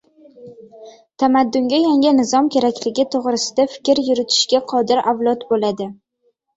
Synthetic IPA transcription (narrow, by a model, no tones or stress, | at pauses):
t̪ʰamad̪ːʊŋɡʲajaŋʲɪnɪzɒmkʲe̞ɾakʲlɪɡʲɪt̪ʰoʁɾɪsɪd̪afɪ̥kʲɾjʊɾɪt̪ʰɪ̥ʃɡʲaqʰɒd̪ɪɾʔavlˠɒt̪bolad̪ɪ